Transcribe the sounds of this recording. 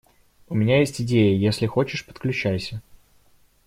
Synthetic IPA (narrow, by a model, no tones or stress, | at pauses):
ʊmʲɪnʲajesʲtʲɪdʲejəjesʲlʲɪxo̞t͡ɕɪʂpə̥t̪̚klʲʉt͡ɕæjsʲə